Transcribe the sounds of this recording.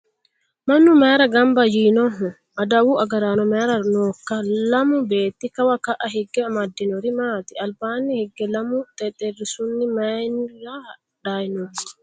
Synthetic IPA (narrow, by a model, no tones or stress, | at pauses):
mɐnːumɛːɾɐɡɐmbɐjiːnɔɦʊ | ʔɐd̪ɐwuʔɐɡɐɾaːnɔmɛːɾɐnɔːkːɐlɐmʊbeːt̪ːikɐwakaʔɐɦɛɡːɛɐmɐd̪ːɪnɔɾɪmaːt̪ɪɐlbaːnːihɛɡːɛlɐmʊt̪ʼɛt̪ʼɛrːɪsʊnːɪmajnɾa | ᶑaːjnɔh